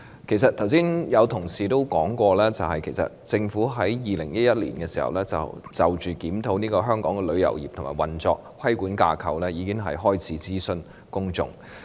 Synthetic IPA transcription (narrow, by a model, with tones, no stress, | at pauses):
kʰe˨˩js̬ɐ˨t̚t̪ʰɐ˨˩wsiː˥njɐ˨˧wt̪ʰʊ˨˩ŋsiː˨t̪o˥wkɔː˨˥ŋkʷɔː˧lɛː˥t͡sɐ˨wɦɐ˨jkʰe˨˩jsɐ̰˨t̚t͡sɪ˧ŋfuː˨˥ɦɐ˨˥jjiː˨˩lɪ̰˨˩ŋj̚jɐ˥t̚lḭː˨˩nkɛː˧siː˨˩hɐ̰˨wlɛː˥t͡sɐ̰˨˩wt͡sɐ˨˩wt͡ʃyː˨˩kiː˨˥mt̪ʰo˨˧˥wniː˥kɔː˧ɦœː˥ŋkɔ̰ː˨˥ŋkɛː˧lɵ˨˧ɥjɐ̰˨˩wjiː˨p̚t̪ʰʊ˨˩maː˨˩jwɐ˨˩nt͡sɔː˧k̚kʰːɐ˥jkuː˨˥nkaː˧kʰɐ˨wlɛː˥jiː˨˧kɪ˥ŋɦɐ̰˨jɦɔː˥jt͡sʰiː˨˥t͡siː˥sɵ˧n | kʊ˥ŋt͡sʊ̰˨ŋ